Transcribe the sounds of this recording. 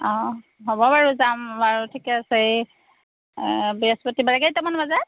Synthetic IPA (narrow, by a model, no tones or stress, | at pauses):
ɔ̃ | ɦobɔbaɹuzamaɹutʰikɛasej | bɛspɔtibalaɡajtamanbazat̚